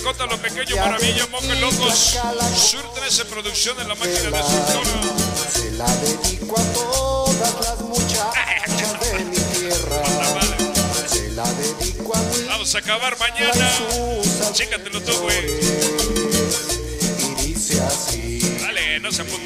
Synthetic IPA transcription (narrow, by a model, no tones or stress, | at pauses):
kont̪alopekeɲopaɾamiʝomokelokoslasuɾt̪ɾesempɾoðuksjo̞nd̪elamakinaððeeoɾ | elaðeðikwat̪oðat̪asmut͡ʃat͡ʃaðemit̪jeraaaleelaðeðikwabamosakaβaɾmãɲãna | t͡ʃekat̪elot̪oðoe | iðiseasialenoseamo